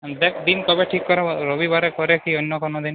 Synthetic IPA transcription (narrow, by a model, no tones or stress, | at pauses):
d̪ekʰd̪inkɔbeʈʰikːɔɾeɾobibaɾekɔɾekiɔnːjɔkɔnɔd̪in